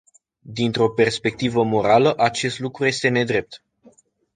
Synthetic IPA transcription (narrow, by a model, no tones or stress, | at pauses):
d̪int̪ɾo̞pe̞rspe̞k̚t̪ivəmo̞ɾaləʔat͡ʃe̞st̪lukɾuje̞st̪e̞ne̞d̪ɾe̞p̚t̪